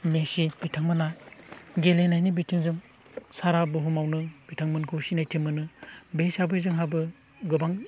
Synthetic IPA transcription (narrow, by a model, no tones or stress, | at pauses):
mesibitʰaŋmɯnajɡelenajnibitʰiŋzuŋ | saɾabɯɦumawnɯb̥itʰaŋmɯnkʰɯsinajtʰimɯnɯbesabɯzɯŋɦabɯ | ɡɯbaŋ